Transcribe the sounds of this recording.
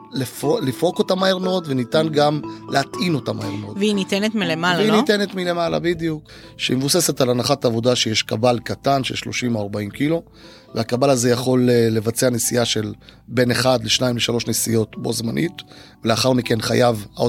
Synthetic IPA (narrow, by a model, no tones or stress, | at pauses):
lefolifo̞ko̞tamaeʁno̞tvenitanɡamlehat̪ʔino̞tamaeʁnotveinitenet̪milemalainitenetmile̞mala̰bid̪ijuk | ʃeimevuse̞setalanaχataːvo̞daʃejeʃkabalkatanʃeʃlo̞ʃimoaʁbaimkilo̞ | veakabalaze̞jaχo̞leːe̞vat͡seanesijaʃe̞lbe̞ne̞χad̪leʃnaimleʃalo̞ʃnesijo̞tbo̞̰zmanʔitveleaχaʁmike̞nχa̰javao